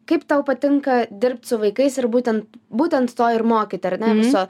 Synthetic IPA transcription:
kɐɪpt̪ɐʊpɐt̪ʲɪŋkɐd̪ʲɪɾʲp̚ʲt̪ʲsʊʋɐɪkɐɪsɪɾbuːt̪ʲɛnt̪buːt̪ʲɛnt̪t̪oːɪɾmoːkʲɪt̪ʲɪɐɾnʲɛʋʲɪso

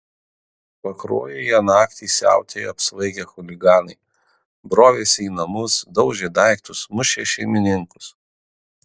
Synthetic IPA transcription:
pɐkɾo̰ːjejɛnɑːkt̪ʲisʲæ̰ˑʊt̪ʲejɐpsʋɐɪɡʲɛxʊlʲɪɡɑːnɐɪ | bɾoːʋʲeːsʲiːnɐmʊsd̪ɒʊʒʲɛd̪ɑˑɪkt̪ʊsmʊʃʲeʃʲɛɪmʲɪnʲɪŋkʊ̥s

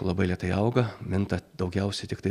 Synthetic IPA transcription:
lˠɐbɐɪlʲiɛt̪ɐɪɐʊɡɐmʲɪnt̪ɐd̪ɐʊɡʲɛʊsʲɛɪt̪ʲɪkt̪ɐɪ

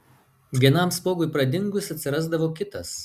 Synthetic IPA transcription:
ɡʲiɛnɐmspoːɡʊɪpɾɐd̪ʲɪŋɡʊsɐt̪ʲsʲɪɾɑˑzd̪ɐʋoːkʲɪt̪ɐs

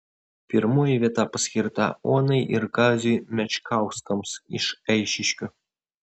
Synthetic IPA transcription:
pʲɪɾmoːjɪʋʲiɛt̪ɑpɐsʲkʲɪɾt̪ɑ̰oːnɐɪʔɪɾɡɑːzʲʊjmʲɛt͡ʃʲkɑˑʊsk̪ɐmsɪ̰ʃɛɪʃʲɪʃʲkʲʊ

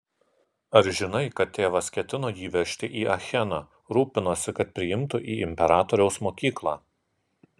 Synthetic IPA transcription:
ɐɾʒʲɪnɐɪkɐt̪ʲːeːʋɐskʲɛt̪ʲɪnoːjiːʋʲɛʃʲt̪ʲɪʔiːʔɐxʲɛnɑ | ɾuːpʲɪnoːsʲɪkɐt̪̚pʲɾʲɪjɪmt̪ʊʔiːɪmʲpʲɛɾɑːt̪ɔːɾʲɛʊsmoːkʲiːklˠɑː

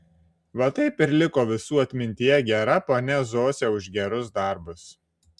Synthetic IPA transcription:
ʋɐt̪ɐɪpɪɾʲlʲɪkoːʋʲɪsuːɐt̪ʲmʲɪnʲt̪ʲɪjɛɡʲɛɾɐpoːnʲɛzoːsʲɛʊʒɡʲɛɾʊsd̪ɐˑɾbʊs

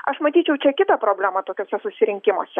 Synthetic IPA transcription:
ɐʃmɐt̪ʲiːt͡ʃʲɛʊt͡ʃʲɛkʲɪt̪ɐpɾoːbʲlʲæːmɐt̪oːkʲoːsʲɛsʊsʲɪɾʲɪŋʲkʲɪmo̰ːsʲɛ

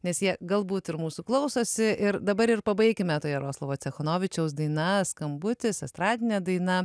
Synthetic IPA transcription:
nʲɛsjiɛɡɐlˠbuːt̪ɪɾmuːsuklˠɐʊsoːsʲɪʔɪɾd̪ɐbɐɾɪrpɐbɐɪkʲɪmʲɛt̪oːjɛɾoːslˠɐʋoːt͡sʲɛxoːnoːʋʲɪt͡ʃʲɛʊsd̪ɐɪnɐskɐmbʊt̪ʲɪsɐst̪ɾɑːd̪ʲɪnʲɛd̪ɐɪnɐ

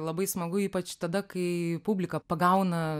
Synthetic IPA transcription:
lˠɐbɐɪsmɐɡʊiːpɐt͡ʃt̪ɐd̪ɐkɐɪpubʲlʲɪkɐpɐɡɐʊnɐ

